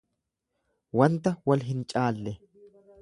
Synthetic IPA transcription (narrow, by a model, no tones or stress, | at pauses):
wɐnt̪ɐwɐlɦɪnt͡ʃʼaːlːɛ